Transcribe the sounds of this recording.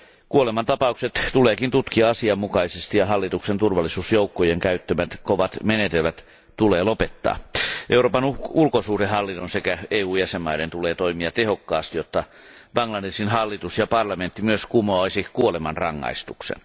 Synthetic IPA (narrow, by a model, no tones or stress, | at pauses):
kuolemɑnt̪ɑpɑukset̪t̪uleːkint̪ut̪kiɑɑsiɑmːukɑisest̪ijɑɦɑlːit̪uksent̪urʋɑlːisuːsjoukːojeŋkæyt̪ːømæt̪koʋɑt̪menet̪elʋæt̪ | t̪uleːlopet̪ːɑ̰ːʔeuroːpɑnuulkosuːdehɑlːinːonsekæeːuːjæsemmɑident̪uleːt̪oimiɑt̪ehokːɑːst̪ijot̪ːɑ | ʋɑŋlɑdesinhɑlːit̪usjɑpɑrlɑment̪ːimyøskumoɑisikuolemɑnrɑŋːɑ̰ist̪uksḛn